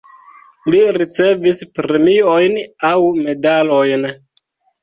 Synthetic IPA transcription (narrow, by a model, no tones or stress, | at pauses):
liɾit͡se̞vispɾe̞mio̞jnawme̞dalo̞jn